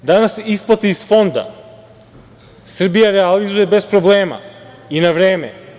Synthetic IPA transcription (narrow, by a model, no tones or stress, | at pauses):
d̪anasisplˠat̪iːsfond̪a̰ | sr̩bijaɾɛalizujɛbɛspɾɔblɛːma̰ | inavɾɛːmɛ̰